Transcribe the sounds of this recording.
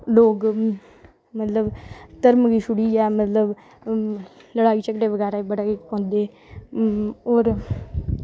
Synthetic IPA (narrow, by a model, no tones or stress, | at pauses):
loːɡ | mət̪ləbt̪əɾmɡiːʃʊɽiːɛːmət̪ləb | ləɽaːiːt͡ʃəkʈeːʋəɡɛːɾaːeːbəɽaːeːpõːnd̪eː | oːɾ